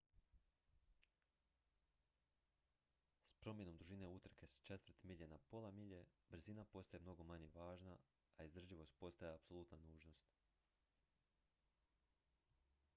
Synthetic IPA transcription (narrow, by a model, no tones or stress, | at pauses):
spɾo̞mjeno̞md̪ɾuʒine̞ut̪r̩ke̞st͡ʃe̞t̪ʋəɾ̩t̪miʎenapo̞lˠamiʎe̞bɾzinapo̞st̪ajemno̞ɡo̞maɲje̞ʋaːʒnaː | izd̪r̩ʒiʋo̞st̪̚po̞st̪ajeapso̞lˠuːt̪nanuːʒno̞st̪